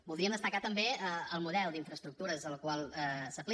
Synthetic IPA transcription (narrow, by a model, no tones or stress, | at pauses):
bulˠd̪ɾiəmd̪əst̪əkat̪əmbeəəlˠmuðɛlˠd̪iɱfɾəst̪ɾuk̚t̪uɾəzəlkwalˠəsəpli